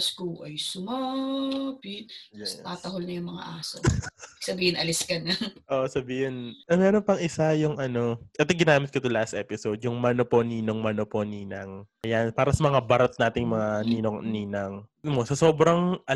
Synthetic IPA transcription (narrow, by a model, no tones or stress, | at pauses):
skuʔɐjsʊma | pɪt̪̚t̪aːt̪ɐɦolnɐjʊŋmɐŋa̰ʔaːso̰ɡsɐbiːhɪnɐlɪskɐnɐŋʔoʔsɐbiːhɪnʔɐŋnɛːɾonpɐŋʔɪsajʊŋʔɐno̞ʔɛt̪ɪɡɪnaːmɪt̪̚kɐt̪olast̪ʔɛːpɪsod̪̚jʊŋmɐnopo̞niːnoŋmɐnoponiːnɐŋʔɐjanpaːɾɐsɐmɐŋabɐɾɐt̪̚naːt̪ɪŋmɐŋaniːnoŋniːnɐŋmosɐso̞ːbɾɐŋʔɐ